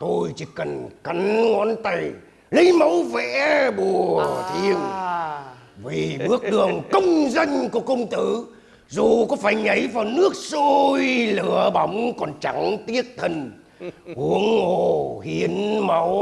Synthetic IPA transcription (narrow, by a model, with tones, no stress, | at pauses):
t̪ʰo˧jt͡ɕi˧˦kə˨˩nka˨˦nŋɔ˨˦nt̪a˨˧˩j | li˧jma˨˦wvɛ̰˧˥ɓu˨˩ət̪ʰi˧əŋ | vi˨˩ɓɨ˦˥ək̚ɗɨ˨˩əŋkə˧wŋ͡mzə˧jŋ̟ku˧˩əkə˧wŋ͡mt̪ɨ˧˦ | zu˨˩kɔ˨˦faː˧˩jɲə˨˦jvaː˨˩wnɨ˦˥ək̚so˧jlɨ˧˩˦əɓa˨˦wŋ͡mkɔ˨˩nt͡ɕa˨˦ŋt̪i˦˥ət̚t̪ʰə˧n | ʔu˨˧˦əŋo˧˩hi˨˦ənma˨˦w